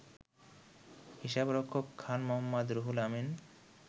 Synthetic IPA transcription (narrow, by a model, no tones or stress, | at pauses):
hiʃabɾɔkʰːokʰːanmoɦamːad̪ɾoɦulamin